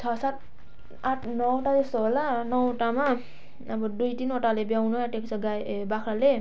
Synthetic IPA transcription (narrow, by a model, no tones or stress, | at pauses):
t͡sʰʌsat̪̚ | aʈʰnʌwoʈalesoɦlanʌwʈamaː | bʌd̪ujt̪inoʈalebjawnoaʈeksʰʌɡabakʰɾale